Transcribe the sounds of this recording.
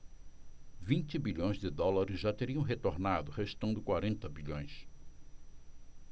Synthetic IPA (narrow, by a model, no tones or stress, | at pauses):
vĩnt͡ʃɪbiʎõj̃zd͡ʒɪd̪ɔlaɾɪzʒat̪eɾiɐ̃w̃ɦet̪oɾnad̪ʊheʃt̪ɐ̃nd̪ʊkwaɾẽnt̪ɐbiʎõj̃s